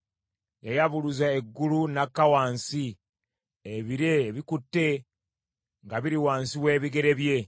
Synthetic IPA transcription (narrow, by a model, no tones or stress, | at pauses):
jajaβuluzaeɡːulunakːawaːnsi | eβiɾeːβikutːe̞ | ŋɡaβiɾiwaːnsiwe̞ːβiɡe̞ɾe̞βje̞